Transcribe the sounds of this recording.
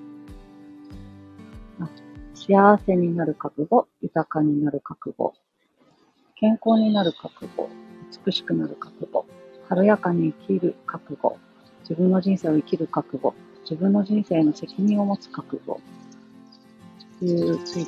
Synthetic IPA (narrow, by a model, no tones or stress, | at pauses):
aɕiaβ̞ase̞ɲ̟inaɾɯ̟kakɯ̟ɡo̞jɯt̪akaɲ̟inaɾɯ̟kakɯ̟ɡo̰ | kẽ̞ŋko̞ːɲ̟inaɾɯ̟kakɯ̟ɡo̞̰ɯ̟t͡sɨ̥kɯ̟ɕi̥kɯ̟naɾɯ̟kḁkɯ̟ɡ̥o̞̰haɾojakaɲ̟iːkʲiɾɯ̟kakɯ̟ɡo̞̰ | d͡ʑibɯ̟̃nːo̞ʑĩɰ̃se̞ːo̞ikʲiɾɯ̟kakɯ̟ɡo̞̰ | d͡ʑibɯ̟̃nːo̞ʑĩɰ̃se̞ːno̞se̞kʲiɲ̟ĩɰ̃o̞mo̞t͡sɨ̥kakɯ̟ɡo̞̰ | ɯ